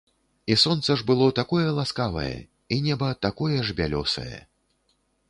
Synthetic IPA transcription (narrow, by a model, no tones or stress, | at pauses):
isɔnt̪sɐʐbɨlˠɔt̪akɔjɛlˠaskavɐ̰jɛ̰ | inʲɛbɐt̪akɔjɛʐbʲalʲɔsɐ̰jɛ̰